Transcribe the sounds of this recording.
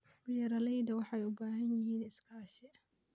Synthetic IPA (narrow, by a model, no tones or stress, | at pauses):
ɪjɐɾɐlɛjd̪ɐwɑħɑjʊbaːɦɐnjɪɦiːnɪskʰɐːʃɛ